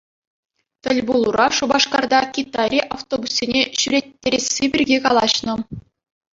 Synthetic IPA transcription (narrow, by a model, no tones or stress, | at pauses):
t̪ʲɘ̆lʲbulˠuɾɑʂubɑʂkɑrd̪ɑkʲit̪ːɑrʲiʔaft̪obusːʲenʲeɕyɾʲetʲːeɾʲesːʲebʲirʲɡʲekɑlˠɑɕnɤ̆